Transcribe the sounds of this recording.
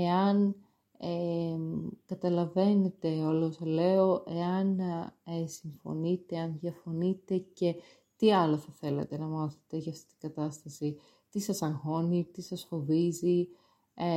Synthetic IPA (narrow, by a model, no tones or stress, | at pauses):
e̞ɐn | e | kɐt̪ɐlɐve̞ne̞t̪e̞o̞losɐle̞o̞ʔe̞ɐnesiɱfo̞̰nit̪e̞ɐnðjɐfo̞nit̪e̞ce̞ | t̪iɐlo̞θɐθe̞lɐ̰t̪e̞nɐmɐθe̥t̪eʝɐːft̪i̥t̪iŋɡɐt̪ɐst̪ɐsi | t̪isɐsɐŋxo̞nit̪isɐsfo̞vizi | e